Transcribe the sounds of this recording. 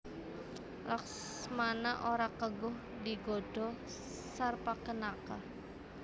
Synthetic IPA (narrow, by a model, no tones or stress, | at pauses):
laks | manaʔoɾakəɡʊh | diɡɔɖ̥ɔ | sarpakənaka